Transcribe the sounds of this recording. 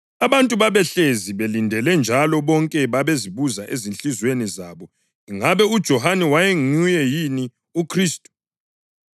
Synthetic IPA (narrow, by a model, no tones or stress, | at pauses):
aβantʼuβaβɛɬeziβelindʱɛlɛnd͡ʒʱalɔβɔŋkʼɛβaβeziβuzaʔezinɬʼizwenizaβɔ | iŋaβɛud̥ʒ̥ʱɔhanɛwajeŋujɛjini | ukʰriːstʼu̥